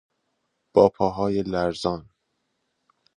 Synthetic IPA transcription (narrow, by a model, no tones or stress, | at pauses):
b̥ɒːpʰɒːɦɒːjelæɾzɒːn